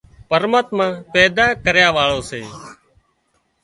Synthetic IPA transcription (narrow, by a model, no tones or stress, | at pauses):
pəɾmaːt̪mãːpɛːd̪aːkəɾjaːʋaːɭoːsḛː